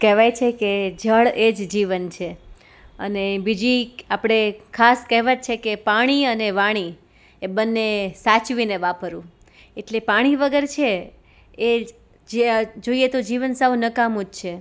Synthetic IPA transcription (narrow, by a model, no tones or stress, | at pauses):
kɛɦʋajt͡ʃʰeked͡ʒʱəɭed͡ʒd͡ʒiʋənt͡ʃʰe | ə̰nebid͡ʒiapɽ̃ekʰaskɛɦʋət̪̚t͡ʃʰekepaɽ̃iəneʋaɽ̃i | ebənːesat͡ʃʋineʋapəɾũ | eʈlepaɽ̃iʋəɡəɾt͡ʃʰe | e | d͡ʒd͡ʒoijet̪od͡ʒiʋənsəʋnəkamud͡ʒt͡ʃʰe